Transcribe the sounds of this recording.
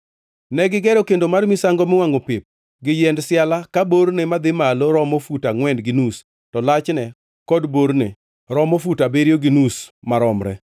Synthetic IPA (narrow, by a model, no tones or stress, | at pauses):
nɛɡɪɡɛɾɔkendomarmisaŋɡɔmɪwaŋopɪp̚ | ɡɪjɛndsɪalakaboɾnemad̪ɪmaloɾɔmofutaŋwɛndɡɪnus | tɔlat͡ʃnɛ | kɔdboɾne | ɾɔmofutabeɾjoɡɪnusmaɾɔmɾɛ̰